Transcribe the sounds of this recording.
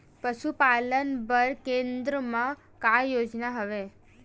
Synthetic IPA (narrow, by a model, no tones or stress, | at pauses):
pəʃupalənbəɾkend̪ɾəmã | kajod͡ʒnaɦəʋe